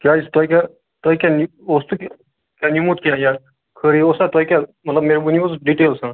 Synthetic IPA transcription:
kiast̪ajkʲa | t̪ajkʲani | ost̪ukʲ | kʲanimut̪kʲãja | kʰəɾiosãt̪ajkʲam̤ət̪ləbmeɾbuniosɖiʈelsã

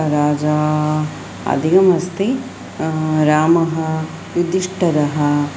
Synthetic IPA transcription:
ɾaːd͡ʒaː | ɐ̰d̪ʱiɡɐmɐst̪i | ɾaːmɐɦɐ | jud̪ʱiʂʈɐɾɐɦɐ̆

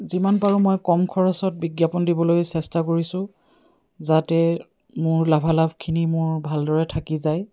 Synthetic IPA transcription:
zimanpaɹũmojkɔmkʰɔɹɔsɔt̚biɡjapɔndibɔlojsɛstakoɹisʊ̃ | zatɛ | mʊɹlabʱalabʱkʰinimʊɹbʱaldɔɹɛtʰakizaj

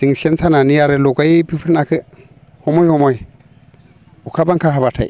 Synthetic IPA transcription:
siŋsensananijaɾelokaipifiɾnakʰɨ | homojhomoi | ukʰabaŋkaɦabatʰa̰ḭ

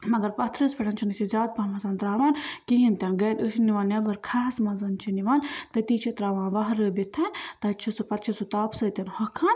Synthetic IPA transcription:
mɐɡ̪ɐɾpɐt̪ʰɾɐspʰʲɐʈɐnt͡ʃʰinɨsizʲaːd̪̚pɐmɐsaːnt̪ɾaːʋaːnkiɦint̪ʲɐnɡɐːd̪əʃniʋaːnjabɐɾkʰaɦsmɐzɐnt͡ʃʰiniʋaːnt̪ɐt̪iːt͡ʃʰit̪ɾaːʋãːnʋɐɦɾəbit̪ʰɐnt̪ɐt͡ʃʰisɨpɐt̪t͡ʃʰisut̪aːpsɨt̪ʲɐnhɐkʰːaːn

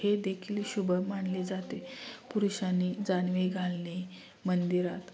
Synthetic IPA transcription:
hed̪ekʰiːlɕubəmaɳled͡zat̪epuɾuɕanːid͡zanʋeɡʱalne | mənd̪iɾat̪

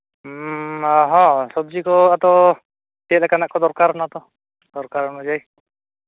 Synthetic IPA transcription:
aɦɔ̃sɔb̚d͡ʒikɔat̪ɔ | t̪iɛt̪lɛkanaʔkɔd̪ɔɾkaɾɔnat̪ɔ | d̪ɔɾkaɾɔnɔd͡ʒaj

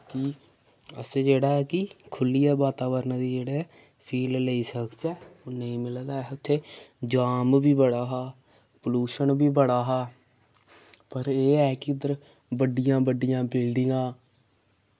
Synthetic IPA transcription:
kɪ | ə̰seːd͡ʒeːɽaːɛːkɪkʰʊlːiːɛːʋaːt̪aːʋəɾnãːd̪iːd͡ʒeːɽeː | pʰiːlləiːsəkt͡ʃɛːoːnəĩːmɪld̪aːɛʊt̪ʰːeːd͡ʒaːmbiːbəɽaːɦaː | pəluːʃənbiːbəɽaːɦaː | pəɾeːɛːkɪʊd̪əɾ | bəɖɪjãːbəɖɪjãːbɪlɖɪŋãː

